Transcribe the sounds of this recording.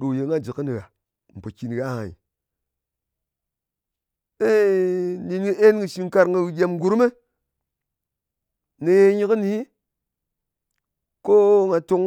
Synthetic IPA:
ɗo˨je˨ŋa˦d͡ʒi˨kɨ˦ni˨ɣa˨ | m̩˨po˨ki˨n˨ɣa˨˦a̰˨ḭ˨ | e˦ni˨nɡə˦ʔe˦n˦ɡɨ˧ʃi˧ŋka˧ɾŋɡə˧ɣɨ˨ɡʲe˨mɡu˨ɾme˦ | ne˨je˦ɲi˦kɨ˦ni˨˦ | ko˦ŋa˨to˧ŋ

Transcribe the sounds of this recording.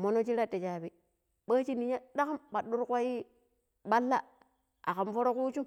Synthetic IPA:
mo˦no˦t͡ʃi˦ɾa˦te˨t͡ʃa˨bi˦ | ɓa˦t͡ʃi˦ni˨ɲa˦ɗa˦ka˦mɓa˨ɗːu˦ɾkʷa˦ji˦ | ɓa˦lːa̰˦ | a̰˨xa˨mfo˦ɾo˦ku˦t͡ʃu˦m

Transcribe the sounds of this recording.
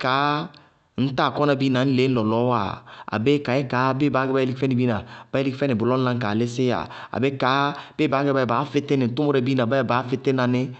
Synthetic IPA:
ka˨˦ | n̩˦ta˦˨kɔ˦na˦˨bi˦na˨n̩˦le˨˦n̩˦lɔ˨lɔ˨˦wa̰˨a̰˨be˦ka˨˦ɛ˦kaː˨˦be˦ba˨˦ɡɛ˦ba˦e˦li˦kfɛ˦ni˨bi˦na˨ba˦e˦li˦kfɛ˦nɪ˨bʊ˨lɔ˦n̩˦lã˦ŋ˦ka˨lɪ˦sɪ˦ja̰˨a̰˨be˦ka˨˦b̥e˦ba˨˦ɡɛ˦ba˦˨ba˨˦fɪ˦te˦nɪ˨n̩˨˦tu˦mo˦ɾɛ˨bi˦na˨ba˦˨ba˨˦fe˦te˦na˨nɪ˦

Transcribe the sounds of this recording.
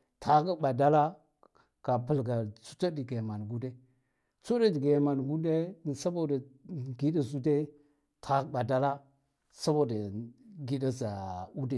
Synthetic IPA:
tʰa˨˦ka˦ba˨da˦la˦ | ɡ̥a˨pə˨lɡa˨t͡su̥˦ta˦di˨ɡe˨ma˨n˨ɡu˦de˦ | t͡su˦da˦di˨ɡe˨ma˨n˨ɡu˦de˦˨sa˦bo˦da˨ɡi˦da˨zu˦de˦ | tʰa˦kɓa˨da˦la˦ | sa˦bo˦da˨ɡi˦da˦za˨u˦de˦

